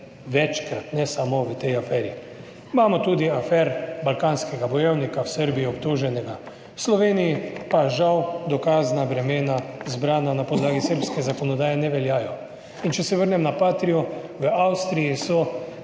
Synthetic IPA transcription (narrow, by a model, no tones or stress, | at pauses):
ʋɛt͡ʃkɾat̪nɛsamoʋət̪ɛjafɛːɾi | imaːmɔt̪uːd̪iafɛɾbalkanskɛɡabɔjɛwnikawsəɾbijiɔpt̪oːʒɛnɛɡa | wslɔʋeːnijipaʒawd̪ɔkaːznabɾɛmeːnazbɾaːnanapɔd̪laːɡisəɾpskɛzakɔnɔd̪aːjɛnɛʋɛljaːjɔ | int͡ʃɛsɛʋəɾnɛmnapaːt̪ɾijɔ | ʋəawst̪ɾijisɔ